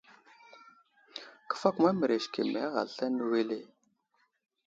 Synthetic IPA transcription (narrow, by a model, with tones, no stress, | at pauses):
kə̥˦fa˦kma˦mə˨ɾe˨ʃkḛ˨mḛ˨a˦ɣa̰˨lɬa˦nə˦we˦le˦˨